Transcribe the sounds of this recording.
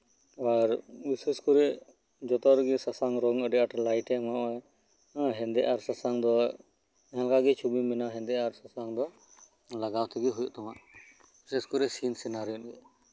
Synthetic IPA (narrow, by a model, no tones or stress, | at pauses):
aɾbiseskuɾɛʔ | d͡ʒɔt̪ɔɾɡɛsasaŋɾɔŋəɖɛʔaʈlajʈɛmaʔɔɛ | ɦɛ̃nd̪ɛʔaɾsasaŋd̪ɔ | ɦɛ̃lkaɡɛt͡ʃʰubimɛnaɦɛ̃nd̪ɛʔaɾsasaŋd̪ɔ | laɡawt̪ʰɛɡɛɦujuʔt̪ɔmaʔ | biseskuɾɛʔsinsɛnaɾijɔnɡɛ